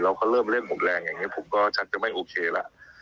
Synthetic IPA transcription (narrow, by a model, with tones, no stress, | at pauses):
ɾa˧wkɔː˥˩ɾɤː˥˩mɾi˥˩ək̚mo˨˩˦t̪̚ɾɛː˧ŋja˨˩ŋːi˦˥pʰo˨˩˦mkɔː˥˩t͡ɕʰa˦˥t̪̚t͡ɕa˨˩ma˥˩jʔoː˧kʰeː˧la̰˨˩ʔ